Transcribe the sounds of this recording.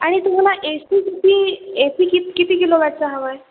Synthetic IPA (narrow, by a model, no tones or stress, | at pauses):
aɽ̃it̪um̤alaʔesikit̪iːesiːkikit̪iːkeloɡaʈt͡saɦaʋaj